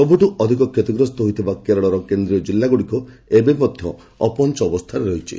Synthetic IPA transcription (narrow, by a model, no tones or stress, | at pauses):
sɔbʱuʈuʔɔd̪ʱikɔkʰjɔt̪iɡɾɔst̪ɔɦojt̪ʰibakeɾɔɭɔɾɔkend̪ɾijɔd͡ʒilːaɡuɽikɔebeimɔd̪ʱjɔ | ɔ̰pɔnt͡ʃɔɔbɔst̪ʰaɾeɾɔɦit͡ʃʰḭ